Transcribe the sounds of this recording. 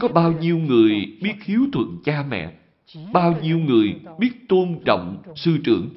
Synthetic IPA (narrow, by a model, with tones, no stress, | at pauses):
kɔ˨˦ɓaː˧wɲi˧əwŋɨ˨˩əjɓi˦˥ət̚xi˨˦əwt̪ʰwə̰˧˨nt͡ɕaː˧mɛ̰˧˨ | ɓaː˧wɲi˧əwŋɨ˨˩əjɓi˦˥ət̚t̪o˧nɗə̰˧˨wŋ͡msɨ˧t͡ɕɨ˧˩əŋ